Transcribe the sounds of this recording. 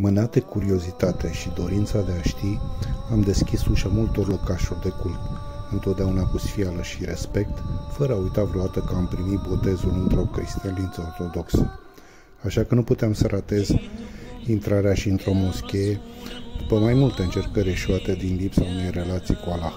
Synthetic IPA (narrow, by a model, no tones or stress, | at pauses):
mɨnat̪ekuɾio̞zit̪at̪e̞ʃid̪o̞ɾint̪sad̪e̞aʃt̪iamd̪e̞skʲisuʃamult̪o̞rlo̞kaʃurʲd̪e̞kult̪ | ɨnt̪ot̪̚d̪eaunakusfialəʃiɾe̞spe̞k̚t̪fəɾəaujt̪avɾoat̪əkəampɾimit̪̚bo̞t̪e̞zulɨnt̪ɾo̞kɾist̪ialint̪səo̞rt̪o̞d̪o̞ksə | aʃakənuput̪eamsəɾʔat̪e̞z | int̪ɾaɾeaʃiɨnt̪ɾo̞mo̞skʲejed̪upəmajmult̪əɨnt͡ʃe̞rkəɾʲe̞ʃuat̪ed̪inlipsaune̞jre̞lat̪sijkualax